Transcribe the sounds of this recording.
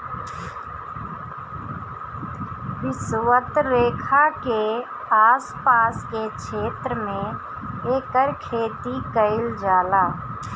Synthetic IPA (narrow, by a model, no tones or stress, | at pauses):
ʋɪswət̪ɾeːkʰake | aːspaːskekʃʰeːt̪ɾəmẽ | eːkəɾkʰeːt̪ikəɪld͡ʒaːlaː